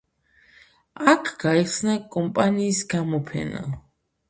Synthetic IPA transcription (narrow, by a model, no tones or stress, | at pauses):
akʰɡ̥aiχsnakʼɔmpʼaniːsɡamɔpʰɛ̰na̰